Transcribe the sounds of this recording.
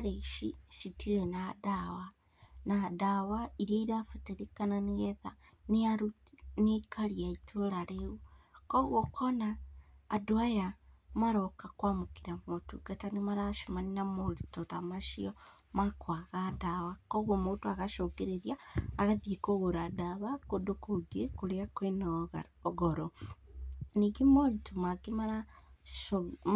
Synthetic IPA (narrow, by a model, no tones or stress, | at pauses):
aɾeiʃiʃitiɾenadawa | nadawaiɾiaiɾafeteɾikananeɣeða | neaɾunekʰaɾiaitʰoɾaɾeɣukoɣokʰonaːdoajamaɾokakwamukiɾamotuɡatanimaɾaʃimaninamolitotamaʃiɔ | makwaɣadaβakɔɣwomotoaɣaʃokeɾeɾjaːɣaðiekoɣoɾadaβakodokoɡekoɾeakwenaɣa | ɣɔɾɔ | niɡemolitomaɡemaɾa | o